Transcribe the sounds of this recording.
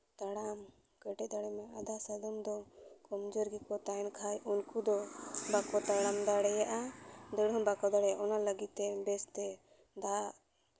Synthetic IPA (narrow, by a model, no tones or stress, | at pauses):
t̪aɽam | kɛʈɛd̪aɽɛmɛad̪asad̪ɔmd̪ɔkɔmd͡ʒɔɾɡikɔt̪aɛnkʰajunkud̪ɔbakɔt̪aɽamd̪aɽɛjaʔad̪ɛɽɔmbakɔd̪aɽɛjaʔɔnaləɡit̪̚ːɛbɛst̪ɛ | d̪aʔ